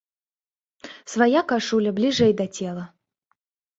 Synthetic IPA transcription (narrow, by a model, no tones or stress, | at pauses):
svajakaʂulʲɐblʲiʐɛjd̪ɐt͡sʲɛlˠɐ